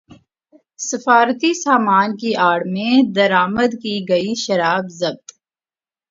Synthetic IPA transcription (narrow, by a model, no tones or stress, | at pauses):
sɪfaːɾt̪isaːmaːnkiʔaːɽmẽd̪ɐɾaːməd̪kiɡɐiʃɐɾaːbzɐb̚t̪